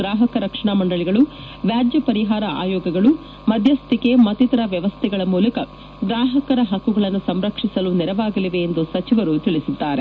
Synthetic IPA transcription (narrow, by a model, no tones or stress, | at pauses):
ɾaːɦɐkɐɾɐkʂɐɳamɐɳɖɐɭiɡɐɭu | ʋjaːd͡ʒjɐpɐɾiɦaːɾɐa̰ːjɔːɡɐɡɐɭu | mɐd̪ʱjɐst̪ikemɐt̪it̪ɐɾɐʋjɐʋɐst̪ʰɛɡɐɭɐmuːlɐkɐ | ɡɾaːɦɐkɐɾɐɦɐkːuɡɐɭɐnːusɐmɾɐkʂisɐluniɾɐʋaːɡɐliʋeːnd̪usɐt͡ʃiʋɐɾut̪iɭisud̪ːaːɾe